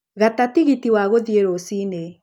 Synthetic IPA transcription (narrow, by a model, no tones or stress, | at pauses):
ɣatatiɣitiwaɣoðieɾosine